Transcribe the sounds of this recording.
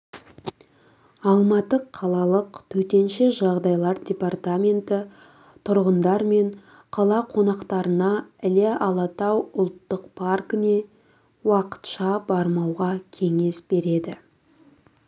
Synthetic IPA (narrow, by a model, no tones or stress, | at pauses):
ɑlˠmɑt̪əqʰːɑlˠɑlˠəqt̪ʰɵt̪e̞nʃeʒɑʁd̪ɑjlˠɑɾdʲe̞part̪amʲe̞nt̪ɪ | t̪ʰʊɾʁənd̪ɑɾme̞ɴ | qʰɑlˠɑqʰo̞nɑqt̪ɑɾənɑɪleʔɑlˠɑt̪ɑwʊlˠt̪ːəqpʰarkəne̞ | wɑqə̥t̪ʃɑbɑɾmɑwʁɑkʲʰe̞ŋe̞sbe̞ɾe̞d̪ɪ